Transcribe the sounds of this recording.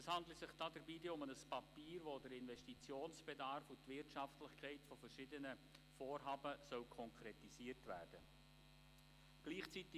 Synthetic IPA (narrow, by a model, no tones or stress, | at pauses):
əshɑndləsɪχd̥ɑːdəɾbiːdeʊmənəspɑpiːɾʋodəɾɪnvɛʃtit͡sjoːnsb̥edɑɾfutvɪtʃɑftlɪχkʰɛɪtfɔfərʃɪdənə | foːɾɦɑːbəsœwkʰɔŋkʰɾɛtisiːərtʋæ̰ːrd̥ə | ɡ̥liːχt͡sitɪ